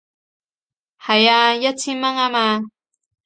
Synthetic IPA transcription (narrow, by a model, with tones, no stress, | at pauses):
ha˨ja˧ja˦t͡sʰi˦ma˦ŋa˦ma˧